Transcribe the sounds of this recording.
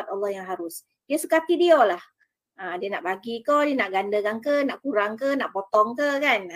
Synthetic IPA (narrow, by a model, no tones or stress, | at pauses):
at̪̚alːɔhjaŋɦaɾʊs | diəsəkat̪idiolah | adiənaʔbaɡikodiənaʔɡandəkankənaʔkuɾaŋkənaʔpot̪ɔŋkəkan